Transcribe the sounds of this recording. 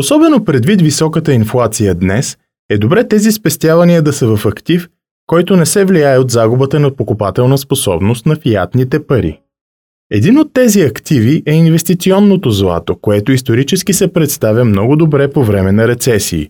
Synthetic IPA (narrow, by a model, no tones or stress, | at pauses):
osɔbɛnopɾɛd̪vit̪visɔkət̪əinflˠat̪sijəd̪nɛs | ɛd̪obɾɛt̪ɛzispɛst̪ʲjavɐniəd̪ɐsəvɐfɐkt̪if | kɔjt̪onɛsɛvliaɛod̪zaɡʊbət̪ənɐpokʊpat̪ɛlˠnəsposɔ̰bnost̪nɐfijat̪nit̪ɛpɐɾḭ | ɛd̪inot̪ːɛziɐkt̪iviʔɛinvɛst̪it̪siɔnːot̪ozlˠa̰t̪okoɛt̪oist̪oɾit͡ʃɛsk̟isɛpɾɛt̪st̪avʲəmnɔɡʊd̪obɾɛpovɾɛmɛnɐɾɛt̪sɛsḭː